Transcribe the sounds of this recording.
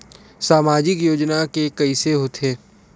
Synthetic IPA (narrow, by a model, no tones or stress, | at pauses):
saːmaːd͡ʒɪkjoːd͡ʒnakekɐiseɦoːt̪eː